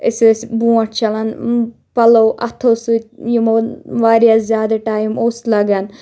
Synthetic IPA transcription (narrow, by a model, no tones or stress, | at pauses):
ɪsesbũːɐʈ̚t͡ʃɐlɐn | pɐloʔɐ̰t̪ʰosut̪jimoʋaːɾijaszjaːd̪ɐʈaːjimoːslɐɡɐn